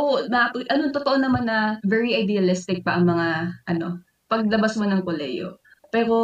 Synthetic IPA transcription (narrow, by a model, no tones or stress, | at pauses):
onɐapʔɐnoŋt̪ot̪oʔo̞nɐmanːɐvɛɹiʔɐjd̪ɛɐlɪst̪ɪk̚pɐʔɐŋmɐŋaʔɐno̞̰ | pɐɡ̚lɐbasmonɐŋkolɛ̰jo̰ | pɛːɾo̞